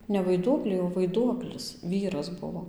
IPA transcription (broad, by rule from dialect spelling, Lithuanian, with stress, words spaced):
nʲɛ ʋɐɪˈduɔklʲɛɪ oː ʋɐɪˈduɔklʲɪs ˈʋʲiːrɐs ˈbʊʋoː